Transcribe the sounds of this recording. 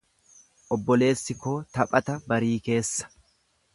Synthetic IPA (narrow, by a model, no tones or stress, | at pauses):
ʔɔbːɔle̞ːsːɪkoːt̪ɐpʼɐt̪ɐbɐɾiːke̞ːsːɐ̥